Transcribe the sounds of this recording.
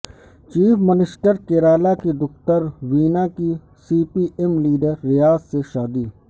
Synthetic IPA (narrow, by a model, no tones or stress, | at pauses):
t͡ʃiːfmɪnɪsʈəɾkeːɾaːlakid̪ʊxt̪əɾʋiːnaki | siːpiːʔemliːɖəɾːɪjaːzseʃaːd̪iː